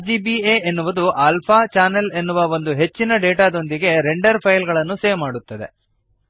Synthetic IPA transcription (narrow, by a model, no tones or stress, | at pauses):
d͡ʒiːbiːeːenːuʋɐd̪uʔaːlpʰaːt͡ʃaːnɐle̞nːuʋɐo̞nd̪uɦe̞t͡ʃːinɐɖeːʈaːd̪o̞nd̪iɡe̞ɾeɳɖɐɾpʰɐjlɡɐɭɐnːuseːʋmaːɽut̪ːɐd̪e̞̰